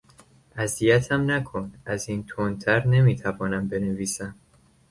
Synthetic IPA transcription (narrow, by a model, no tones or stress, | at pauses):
ʔæzijæt̪ʰæmnækʰonʔæziːnt̪ʰont̪ʰæɾne̞miːt̪ʰævɒːnæmbe̞neviːsæm